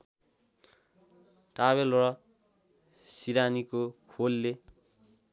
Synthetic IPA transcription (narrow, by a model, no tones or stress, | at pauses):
ʈraβelrʌ | siɾanikokʰolːe